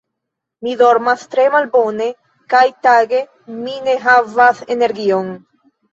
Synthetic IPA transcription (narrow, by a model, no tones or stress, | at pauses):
midoɾmast̪ɾemalbone̞ | kajtaɡe̞ | mineɦavaseneɾɡion